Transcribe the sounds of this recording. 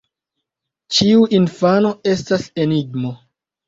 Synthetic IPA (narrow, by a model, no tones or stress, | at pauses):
t͡ʃiuʔinfano̞e̞stase̞niɡmo̞